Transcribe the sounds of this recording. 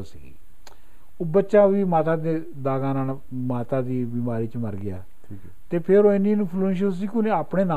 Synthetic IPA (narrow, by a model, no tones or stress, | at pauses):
sḭːɡi | oːbətːʃãːʋiːmaːt̪ãːd̪eː | d̪aːɡãːnaːn | maːt̪aːd̪iːbiːmaːɾiːt͡ʃməɾɡɪja̰ːi | t̪eːpʰɪɾoːɪniːnũːpʰlunʃ̬os̬iːkʊneaːpɳeːnaː